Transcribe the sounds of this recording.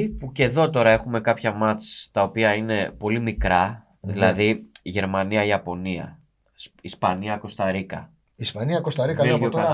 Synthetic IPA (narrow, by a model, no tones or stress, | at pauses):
ipuce̞ðo̞t̪o̞ɾɐe̞xume̞kɐpçɐmɐt͡st̪ɐo̞piɐine̞po̞limikɾɐ | ðilɐðiʝe̞ɾmɐniɐiɐpo̞niɐ̰ | sispɐniɐko̞st̪ɐɾikɐ̰ | ispɐniɐkost̪ɐɾikɐot̪ɐ